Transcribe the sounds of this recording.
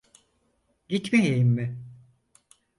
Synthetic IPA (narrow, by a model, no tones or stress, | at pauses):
ɟit̪mejejimːɪ